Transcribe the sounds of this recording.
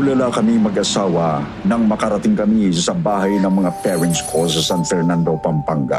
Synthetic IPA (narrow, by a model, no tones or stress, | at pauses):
ʊlɐlakɐmimɐɡʔɐsaːwɐ | nɐŋmɐkɐɾɐt̪ɪŋkɐmisɐbaːɦɐjnɐŋmɐŋapɛɹɪnt̪skʰosɐsanfɛɾnand̪opɐmpaŋɡa̰